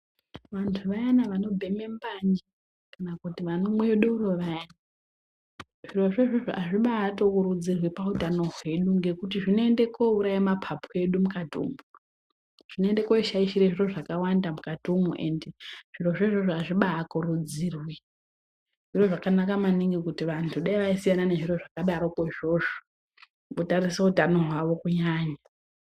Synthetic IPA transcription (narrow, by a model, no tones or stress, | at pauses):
ʋantʰuʋajanaʋano̞bʱe̞me̞mbaɲd͡ʒi | kanakutiʋanomweɗuuroʋajana | ʐ̥iro̞ʐeʐoʐoʔaʐiɓaːtokuɾud͡zirwipautano̞ɦwe̞ɗuŋɡe̞kutiʐino̞ende̞kouɾaimapʰapʰue̞ɗumukatṵːmu | ʐ̥inoende̞ko̞iʃaiʃiɾeʐiroʐakawandamukadʱumṵʔe̞ndeʐ̥iro̞ʐeʐoʐoaʐiɓaːkurud͡zirwi | ʐ̥iro̞ʐakanakamaniŋɡikutiʋantʰuɗaiʋaisijanane̞ʐiro̞ʐakaɗaɾokeʐo̞ːʐo̥ | kotaɾisoutano̞ɦwaʋo̞kuɲaːɲa